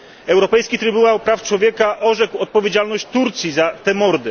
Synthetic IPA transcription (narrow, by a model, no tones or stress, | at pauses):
ɛwɾɔpɛjskʲit̪ɾɘbunawpɾaft͡ʂwɔvʲjɛkaʔɔʐɛkwɔt̪̚pɔvʲjed͡ʑalnɔɕt͡ɕt̪uɾt̪sʲjizat̪ɛmɔɾd̪ɘ